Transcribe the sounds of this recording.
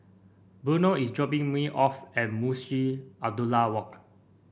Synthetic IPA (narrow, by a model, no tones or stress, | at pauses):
bənəisdd͡ʒɔpĩŋmiʔɔfɛ̃t̚musiab̚dulawɔk